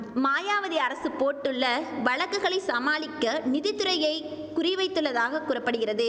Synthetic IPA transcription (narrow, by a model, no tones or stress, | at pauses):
maːjaːʋɐðiɐɾɐsɯpoːʈːɯɭːɐʋɐɭɐkːɯɣɐɭɐɪsɐmaːɭɪkːɐnɪðɪt̪ːɯɾɐjɐɪ | kʊrɪʋɐɪt̪ːɯɭːɐðaːɣɐkʊrɐpːɐɽɯɣɪɾɐðɯ